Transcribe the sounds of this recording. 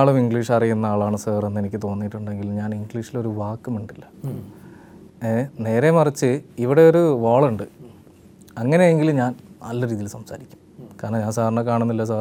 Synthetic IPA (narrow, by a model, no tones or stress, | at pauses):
aːɭumiŋɡɭiːʂɐrijunːɐaːɭaːɳɨsɐːre̞nːenik̬ʲːɨt̪o̞ːnːiʈːuɳɖe̞ŋɡilɲaːniŋɡɭiʂilo̞ɾuʋaːkːumuɳɖilːɐ | ene̞ːɾe̞mɐrit͡ɕːɨiʋiɽe̞o̞ɾuʋaːɭuɳɖɨ | ɐŋːɐnejeŋɡilɲaːnnɐ̰lːɐɾiːðilsɐmsa̰ːɾikʲːu̥mkaːɾɳɐɲaːnsaːɾɐɳɐkaːɳunːilːɐs̬aː